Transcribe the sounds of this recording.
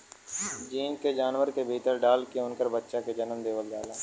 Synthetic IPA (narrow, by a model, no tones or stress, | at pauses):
d͡ʒiːnked͡ʒaːnʋəɾkebʱiːt̪əɾɖaːlkeʊnkəɾbətːʃaked͡ʒənəmd̪eːʋəlda̰ːlaː